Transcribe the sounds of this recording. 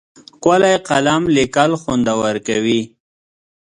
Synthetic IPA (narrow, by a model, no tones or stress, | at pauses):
kwalajqalamlikalxund̪awəɾkawi